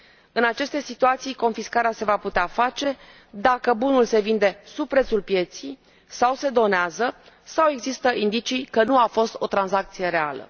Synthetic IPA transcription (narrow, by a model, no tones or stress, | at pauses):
ɨnat͡ʃe̞st̪esit̪uat̪sijko̞nfiskaɾease̞vaput̪eafat͡ʃe̞ | d̪akəbunulse̞vind̪e̞sub̚pɾe̞t̪sulpje̞t̪sij | sawse̞d̪o̞neazə | sawe̞ɡzist̪əʔind̪it͡ʃijkənuafo̞st̪o̞t̪ɾanzak̚t̪sije̞ɾe̞alə̰